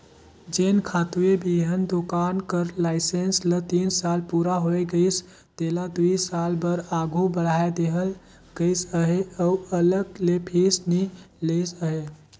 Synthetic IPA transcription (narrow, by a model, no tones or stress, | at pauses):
d͡ʒenkʰat̪ebiɦənd̪okankəɾlaɪsenslət̪insalpuɾaɦoeɡəɪs | d̪̥elad̪uisalbəɾaɡʱubəɽ̤aed̪eɦəl | ɡ̥əɪsəɦeəuələɡlepʰisni | lesəɦe